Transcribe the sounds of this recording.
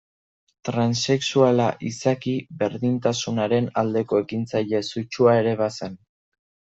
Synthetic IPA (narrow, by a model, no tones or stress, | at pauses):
t̪ɾanse̞ksualaʔisakibe̞ɾðint̪asunaɾe̞nald̪e̞ko̞e̞kint͡sajʎe̞sut͡ʃuae̞ɾe̞βase̞n